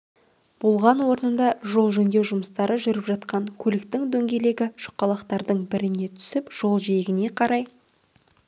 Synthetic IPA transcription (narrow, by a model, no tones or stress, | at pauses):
b̥olˠʁɑnwo̞ɾnənd̪ɑʒo̞lˠʒɵnd̪e̞ʒʊməst̪ɑɾəʒʏɾɪpʒɑt̪qɑŋkʲʰɵlɪkt̪ɪŋd̪ɵŋɡʲe̞le̞ɡʲɪʃʊ̥qːɑlˠɑqt̪ɑɾd̪əɴbɪɾɪne̞t̪ʰʏ̥sɪpʒ̥o̞lˠʒejɪɡʲɪne̞qʰɑɾɑj